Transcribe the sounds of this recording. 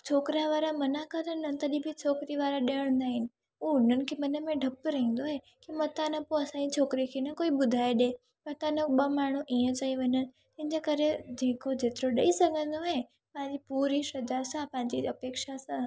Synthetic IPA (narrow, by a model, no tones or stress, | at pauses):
t͡ʃʰoːkɾaʋaːɾamənakəɾənnɐ̃t̪əɗibʱit͡ʃʰoːkɾiʋaːɾaɗeəɽ̃nd̪aːɦɪnɪ̆ | unənkʰemənemẽɖʱɐpɾɐɦĩn̆d̪oɦe | kimɐt̪anə̃poɐsãd͡ʑit͡ʃʰoːkɾikʰenɐkoːiɓʊd̪ʱaeɗe | mɐt̪anəɓəmaːɳ̤ũʔijə̃t͡ʃaĩʋəɲən | t̪ɪ̃ɦɪ̃ɲd͡ʑekəɾed̪ʱĩkʰod͡ʑeːt̪ɾoɗəisəɡʱə̃nd̪oe | pãɲd͡ʑipuːɾiʃɐd͡ʒasãpãɦɲd͡ʑiəpeːkʃasã